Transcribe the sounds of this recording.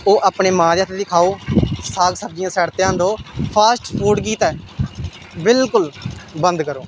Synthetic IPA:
oːʔaːpɳeːmãːd̪eːat̪ʰed̪iːkʰaːoːsaːlsəb̚d͡ʒɪjãːsɛːɽt̪eːãːnd̪oːpʰaːsʈpʰuːɖk̬iːt̪ɛː | bɪlkʊlbənd̪kəɾoː

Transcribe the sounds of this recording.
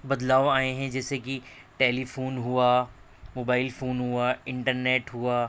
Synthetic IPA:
bɐd̪laːoaːẽɦɛ̃d͡ʒɛːseki | ʈeːlifʰoːnɦua | moːbaːɪlfoːnɦuaɪ̃ɳʈəɾneːʈɦuaː

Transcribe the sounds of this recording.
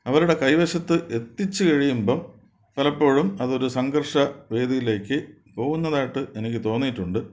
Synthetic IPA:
ɐʋɐɾuɽe̞kɐjʋɐɕɐt̪ːɨʔe̞t̪ːit͡ɕːɨkɐɻijumbɐm | pɐlɐpːo̞ːɻumɐðo̞ɾusɐŋɡɐrʂɐʋe̞ːd̪ijile̞ːkːɨ | po̞ːɣunːɐðaːjiʈːɨʔe̞nik̬ʲːɨt̪o̞ːnːiʈːuɳɖɨ

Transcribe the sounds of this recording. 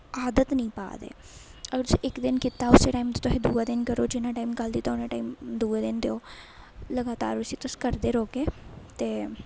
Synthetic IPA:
aːd̪ət̪nəĩːpa̰ːd̪ḛː | əɡəɾt̪sĩʔɪkd̪ɪnkit̪aːʊseːʈaːimt̪et̪ʊsĩːd̪uːaːd̪ɪnkəɾoːd͡ʒɪnãːʈaːimkəld̪iːt̪aʊnãːʈaːimd̪uːaːd̪ɪnd̪eoːləɡaːt̪a̰ːɾʊsĩːt̪ʊsːkəɾd̪eːɾoːɡeːt̪eː

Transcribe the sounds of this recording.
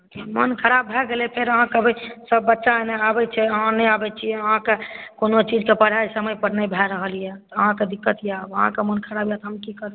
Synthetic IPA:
imənkʰəɾabːʱɛɡelɛpʰeɾəɦãkəbisəbːətːʃaneabɛt͡ʃʰɛəɦãnɛjabɛt͡ʃʰiɛəɦãkekonot͡ʃid͡ʒkepəɽ̤ajsəməjpəɾnəjbʱɛɾəɦəlijɛt̪ɔəɦãked̪ikːət̪ijabəɦã̰kemənkʰəɾabjat̪ɔɦəmkikəɾ

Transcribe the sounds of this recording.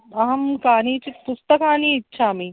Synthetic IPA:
ɐɦɐmkaːniːt͡ʃit̪pʊst̪ɐkaːniːɪtːʃʰaɐmi

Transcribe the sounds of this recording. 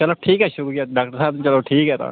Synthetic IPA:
t͡ʃəloːʈʰiːkɦɛːʃʊkːjaːɖaːk̚ʈəɾsaːbt͡ʃəloːʈʰiːkɦɛːt̪ã̰ː

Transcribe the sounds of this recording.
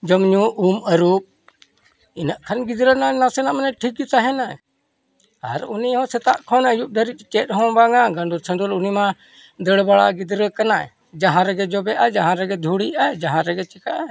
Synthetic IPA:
d͡ʒəmɲuʔuməɾup̚ | inaʔkʰanɡid̪ɾənanasɛnaʔmanɛʈʰikit̪aɦɛnaɛ | a̰ɾuniɦɔ̃sɛt̪aʔkʰɔnəjuʔ̚d̪ʱəɾit̪̚t͡ʃɛt̪ɦɔ̃baŋaɡəɳɖ̪ʱuɾsʰəɳd̪ulunimã | d̪əɽbaɭa̰ʔɡid̪ɾəkanaɛ̰ | d͡ʒaɦãɾɛɡɛd͡ʒɔbɛʔad͡ʒaɦãɾɛɡɛd̪ʱuɽiad͡ʒaɦãɾɛɡɛt͡ʃɛkaʔa

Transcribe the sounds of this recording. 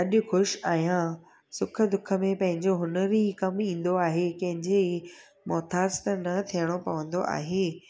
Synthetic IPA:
ɐɗʊ̆xʊʃaːɦijã | sʊkʰə̆d̪ʊkʰə̆mẽpɐ̃ɦɪ̃ɲd͡ʑoɦʊnəɾiikɐmĩːn̆d̪oaːɦekɐ̃ɦɪ̃ɲd͡ʑei | mɔːt̪ʰaːst̪ənɐt̪ʰijəɽ̃opɐʋə̃nd̪oʔa̰ːɦeː

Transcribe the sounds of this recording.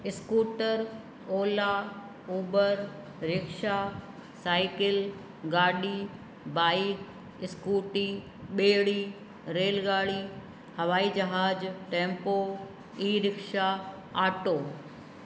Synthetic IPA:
ɪskuːʈəɾ | oːla | uːbəɾ | ɾɪkʃaː | saːɪkɪl | ɡaːɗiː | baːik | ɪskuːʈiː | ɓeːɽiː | ɾeːlɡaːɽiː | hɐʋaːid͡ʒɐɦaːd͡ʑʈẽːmpoː | iːɾɪkʃa | aːʈoː

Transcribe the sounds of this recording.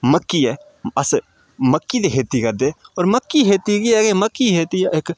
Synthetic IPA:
məkːiɛː | ɐs | məkːid̪eɦeːt̪ikɐɾd̪eːɔːɾməkːiɦeːt̪ikiɛːkeməkːiɦeːt̪iʔek

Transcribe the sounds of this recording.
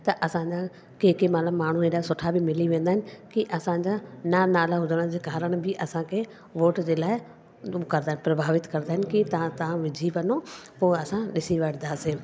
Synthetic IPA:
t̪ɐʔɐsãɲd͡ʑa | keːkimat̪ləbmaːɳ̤uɦẽːɗaːsʊʈʰabɪmɪliʋẽːnd̪aɦɪnɪ̆kiʔɐsãɲd͡ʑananaːlaɦʊd̪ʱəɽ̃ə̃d͡ʑeːkaːɾəɽ̃bɪʔɐsãkʰe | ʋoːʈd͡ʑeːlaːɪ | kɐɾd̪aɦɪ̃nɪpɾɐbʱaːʋɪt̪kɐɾnaːɦɪnɪkit̪ɐãt̪ɐʋãʋɪd͡ʑʱiʋɐnopoːɐsãnɪsiʋɐɽɪ̃nd̪aːseː

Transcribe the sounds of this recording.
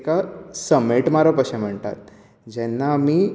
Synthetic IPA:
kasəmeʈmaɾəpəɕɛm̤əɳt̪a̰t̪̚ | d͡ʑɛnːaːmiː

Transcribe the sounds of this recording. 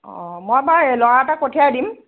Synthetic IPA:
ɔmojbalɔɹaɛtakotʰiadim

